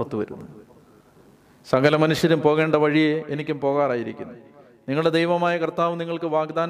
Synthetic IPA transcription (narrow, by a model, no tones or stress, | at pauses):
ɐt̪ːuʋɐɾṵnːɐ | sɐŋɡɐlɐmɐnuʂjɐɾumpo̞ːɣe̞ːɳɖɐʋɐɻijeenikʲːumpo̞ːɣaːraːjiɾikʲːunːɐ | niŋːɐɭɽed̪ejʋɐmaːjɐkrt̪ːaːʋɨniŋːɐɭkɨʋaːɡd̪aːn